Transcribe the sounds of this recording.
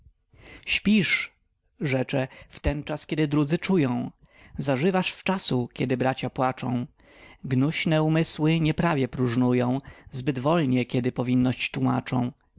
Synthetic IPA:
ɕpʲiʂ | ʐɛt͡ʂɛft̪ɛnt͡ʂaskʲɛd̪ɘd̪ɾud̪zɘt͡ʂujɔ̃w̃ | zaʐɘvaʂft͡ʂasukʲɛd̪ɘbɾat͡ɕapwat͡ʂɔ̰̃w̃ | ɡnuɕnɛumɘswɘɲɛpɾavʲjɛpɾuʐnujɔ̃w̃zbɘd̪vɔlɲɛkʲɛd̪ɘpɔvʲinːɔɕt͡ɕt̪wuma̰t͡ʂɔ̃w̃

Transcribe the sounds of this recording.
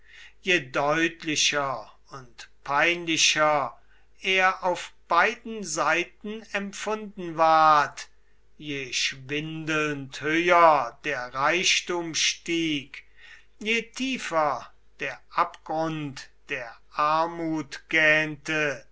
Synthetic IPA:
jeːdɔʏtlɪɕɐ | ʊntpʰaɪnlɪɕɐ | ʔeːɐʔaʊfb̥aɪdn̩zaɪtn̩ɛmfʊndn̩vaɐt | jeːʃvɪndəlnthøʏɐdeːɐʁaɪʃtuːmʃtiːk | jeːtʰiːfɐ | d̥eːɐʔapɡ̥ʁʊntd̥eːɐʔaɐmuːtɡ̥ɛːntə

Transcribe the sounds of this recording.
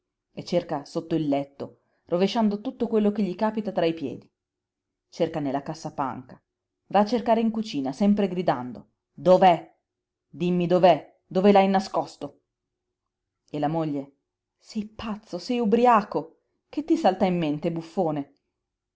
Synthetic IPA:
et͡ʃːerkasot̪ːoilːɛt̪ːo | roveʃːand̪ot̪ut̪ːokwelːokeʎːikaːpit̪at̪ɾaipjɛ̰ːd̪i | t͡ʃerkanelːakasːapa̰ŋka | vaːt͡ʃːerkaːɾeiŋkut͡ʃiːnasɛmpɾeɡɾid̪and̪o̰ | d̪ovɛ | d̪imːid̪ovɛ | d̪ovelajnaskɔst̪o | elːamoʎːe | sɛjpat̪sːosɛjubɾiaːko | k̟et̪ːisalt̪aimːent̪ebufːoːne

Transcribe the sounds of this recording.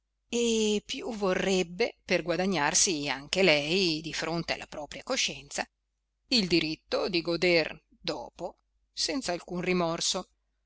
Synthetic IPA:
epːjuvorːɛbːeperɡwad̪aɲːarsiaŋk̟elɛjd̪ifɾont̪ea̰lːapɾɔːpɾjakoʃːɛnt̪sa | ild̪iɾit̪ːod̪iɡod̪er | d̪ɔ̰ːpo | sɛnt̪saːlkunrimɔrso

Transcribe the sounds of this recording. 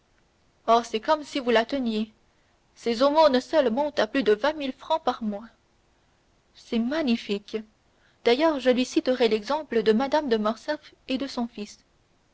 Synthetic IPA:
ɔʁsɛkɔmsivulat̪ənje | sezomonsœlmɔ̃t̪aplyd̪əvɛ̃milfχɑ̃paʁmwa | sɛmaɲifik | d̪̥ajœːʁʒəlɥisit̪əʁɛlɛɡzɑ̃pləd̪əmad̪amd̪əmɔʁsɛf | ed̪əsɔ̃fis

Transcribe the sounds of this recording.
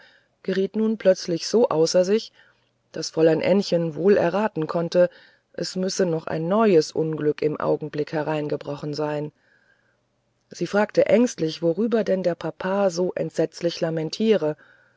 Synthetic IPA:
ɡ̥əʁiːtnuːnpʰl̥œt͡slɪçz̥oːʔaʊsɐzɪç | d̥asfɔlanʔɛnçənvoːlɛ̰ɐʁaːtn̩kʰɔntə | ʔɛsmʏsənɔχʔa̰ɪnːɔʏəsʔʊnɡlʏkɪmʔa̰ʊɡŋ̩blɪkhɛʁaɪnɡəbʁɔχn̩zaɪn | z̥iːfʁ̥aːktəʔɛŋstlɪçv̥oʁyːbɐdɛndeːɐpʰapʰaːzoːʔɛ̰ntz̥ɛt͡slɪçlamɛntʰiːʁə

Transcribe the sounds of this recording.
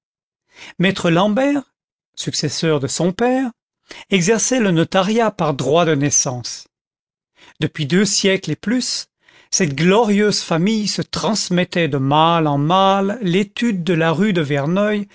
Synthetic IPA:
mɛt̪χəlɑ̃bɛʁ | syksɛsœʁd̪əsɔ̃pɛʁ | ɛɡzɛʁsɛlənɔt̪aʁjapaʁd̪ʁwad̪ənɛsɑ̃s | d̪̥əpɥid̪øsjɛkleplys | sɛt̪ɡlɔʁjøzfamijsət̪χɑ̃smɛt̪ɛd̪əmalɑ̃malːet̪yd̪ːəlaʁyd̪əvɛʁnɔj

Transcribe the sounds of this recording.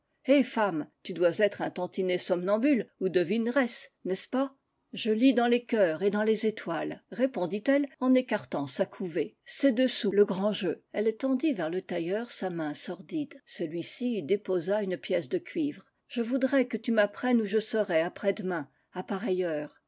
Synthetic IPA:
efamt̪yd̪wazɛt̪χɛ̃t̪ɑ̃t̪inesɔmnɑ̃bylud̪əvinʁɛsnɛspa | ʒəlid̪ɑ̃lekʲœːʁed̪ɑ̃lezet̪walʁepɔ̃d̪it̪ɛlɑ̃nekaʁt̪ɑ̃sakʰuve | sɛd̪əsuləɡʁɑ̃ʒøɛlt̪ɑ̃d̪ivɛʁlət̪ajœʁsamɛ̃sɔʁd̪id̪səlɥisid̪epozaynpjɛsd̪əkʰʲɥivʁ | ʒ̥əvud̪ʁɛkət̪ymapχɛnuʒəsəʁɛapχɛd̪əmɛ̃ | apaʁɛjœːʁ

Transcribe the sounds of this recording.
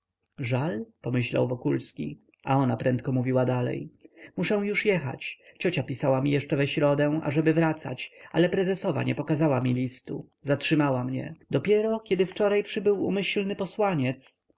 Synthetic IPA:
ʐalpɔmɘɕla̰wvɔkulskʲḭ | ʔaɔnapɾɛnt̪̚kɔmuvʲiwad̪alɛ̰jmuʂɛ̃w̃juʂjɛxa̰t͡ɕt͡ɕɔt͡ɕapʲisawamʲijɛʂt͡ʂɛvɛɕɾɔd̪ɛ̃ʔa̰ʐɛbɘvɾat̪sa̰t͡ɕa̰lɛpɾɛzɛsɔva̰ɲɛpɔkazawamʲilʲist̪ṵ | zatʂɘmawamɲɛ̰d̪ɔpʲjɛɾɔkʲɛd̪ɘft͡ʂɔɾajpʂɘbɘwṵmɘɕlnɘpɔswaɲɛt̪s

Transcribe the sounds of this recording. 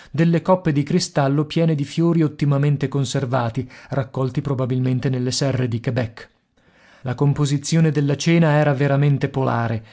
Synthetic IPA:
d̪elːekɔpːed̪ikɾist̪alːopjɛːned̪ifjoːɾiot̪ːimament̪ekonservaːt̪irakːɔlt̪ipɾobabilment̪enelːesɛrːed̪ikebɛkː | lakompozit̪sːjoːned̪elːat͡ʃɛːnaɛːɾaveɾament̪epolaːɾe

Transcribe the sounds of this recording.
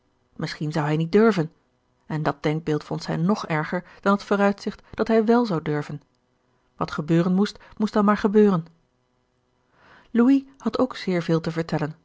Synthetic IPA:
mʔɪsχinzʌwɦɛjnit̚dɵɹvən | ɛndɑd̚d̥ɛŋk̚bɪːlˠtfɔnthɛjnɔχɛɹχəɹd̥ɑnɦətfʊːʁœɥtsɪχtd̥ɑtɦɛjʋɛlˠzɑwdɵɹvən | ʋɑtχəbøːʁənmustmusdɑnmaːɹχəbøːʁən | luihɑtowksɪːɹvɪːlˠtəvəɹtɛlən

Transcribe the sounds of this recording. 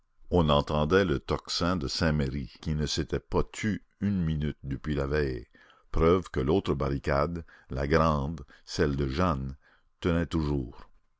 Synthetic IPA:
ɔ̃nɑ̃t̪ɑ̃d̪ɛlət̪ɔksɛ̃d̪əsɛ̃meʁikʲinəset̪ɛpat̪ʰy | ynminyt̪̚d̪əpɥilavɛe | pɾœvkəloːt̪ɾəbaʁikad̪la̰ɡʁɑ̃ːd̪sɛld̪əʒan | t̪ənɛt̪uʒuːʁ

